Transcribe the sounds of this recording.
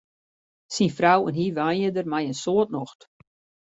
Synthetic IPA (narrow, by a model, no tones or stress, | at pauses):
sinfrawənɦiʋanədərmajənsoətnɔxt